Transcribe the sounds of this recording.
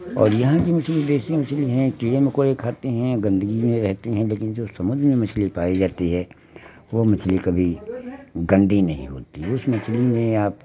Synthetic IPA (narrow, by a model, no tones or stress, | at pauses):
ɔ̰ːɾjɐɦãkimɐt͡ʃʰlid̪eːsimɐt͡ʃʰliɦɛ̃kiːɽemẽkoːɽekʰaːt̪eɦɛ̃ɡɐ̃nd̪əɡimẽɾɛɦt̪eɦɛ̃leːkɪnd͡ʒoːsɐmʊd̪ʱɾmẽmɐt͡ʃʰlipaːid͡ʒaːt̪iɦɛː | ʋomɐt͡ʃʰlikɐbʱi | ɡɐ̃nd̪ʱinɐɦḭ̃ɦo̰ːt̪iɦʊsmɐt͡ʃʰlimẽaːp